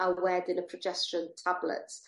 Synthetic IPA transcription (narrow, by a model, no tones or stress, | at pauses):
əwɛːdɪ̃nəpʰɹ̥əd͡ʒɛsʃə̃ntʰablə̰t